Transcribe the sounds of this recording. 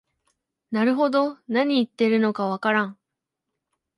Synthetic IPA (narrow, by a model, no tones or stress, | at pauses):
naɾɯ̟ɦo̞d̪o̞naɲ̟iːt̪ːe̞ɾɯ̟no̞kaβ̞akaɾãɴ